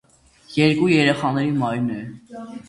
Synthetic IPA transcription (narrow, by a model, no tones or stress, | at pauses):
jɛɾkujɛɾɛχɑnɛɾimɑjnɛ